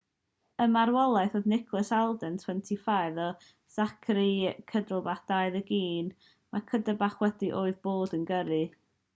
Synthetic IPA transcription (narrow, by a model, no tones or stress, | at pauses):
əmaɾwɔlˠaɨθoðnɪkʰlˠəsalˠdɛntʰw̥ɛntʰifajðɔ | sakʰɾikʰədəlˠbaθd̥ajðəɡiːn | makʰədəbaχwɛdiʔoːɨðboːdənɡəɾɨ